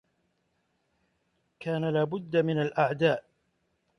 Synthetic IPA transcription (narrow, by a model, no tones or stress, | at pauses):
kaːnalaːbʊd̪ːamɪnalʔaʕd̪aːʔ